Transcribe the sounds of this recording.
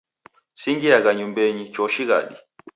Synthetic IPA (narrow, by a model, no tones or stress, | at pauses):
siŋɡiaɣaɲumbɛɲit͡ʃɔʃiɣa̰ɗi